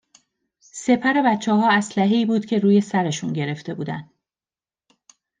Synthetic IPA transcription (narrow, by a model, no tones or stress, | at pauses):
se̞pʰæɾe̞bæt̪t͡ʃʰːɒːɦɒːæslæɦeiːbuːd̪̥cʲʰe̞ɾuːje̞sæɾe̞ʃunɟe̞ɾe̞ft̪e̞buːd̪ænd̪̥